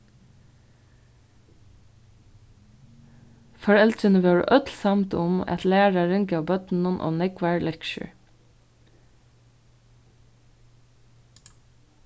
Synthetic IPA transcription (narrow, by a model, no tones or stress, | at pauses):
fɔɹɛlt̪ənəʋøːɹ̰ʔœt̪lsɑmt̪ʊmɑ̰t̪læːɹɑɾɪŋkəɑːbœt̪n̩ʊnʔo̰ːnɛɡʋæɹlɛkʃə̰ɹ